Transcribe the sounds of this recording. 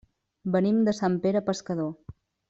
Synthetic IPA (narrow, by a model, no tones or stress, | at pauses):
bənimd̪əsampeɾəpəskəðo